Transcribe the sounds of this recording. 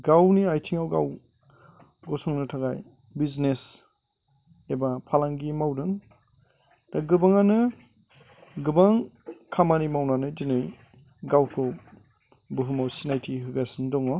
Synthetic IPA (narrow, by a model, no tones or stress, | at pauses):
ɡawniajtʰiŋawɡaw | ɡɔsɔŋnɯtʰaɡaj | biznes | ebapʰalaŋɡimawdɯŋ | ɾaɡɯbaŋanɯ | ɡɯbaŋkʰamanimawnanɯdinɯj | ɡawkʰɯ | bɯɦɯmawsinajtʰiɦɯɡasɯndɔŋɔ